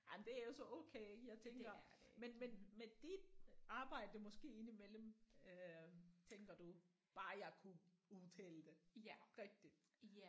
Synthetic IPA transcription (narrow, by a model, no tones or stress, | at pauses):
jɑɪmnd̥e̝æɐjo̝sɒ̽ʔɔ̰ːkʰeːeɡ̥əjɑ̈ɪt͡sʰeŋɡ̥ɐmenmenmed̥id̥ɑ̈ːb̥ɑ̈ɪ̰d̥əmɒ̽sɡ̥e̝̰ːe̝nimel̰m̩øt͡sʰeŋɡ̥ɐd̥u | b̥ɑ̈ːjɑ̈ɪkʰuuðˠt͡sʰɛːləd̥e̝ʁɛɡ̥̚d̥id̥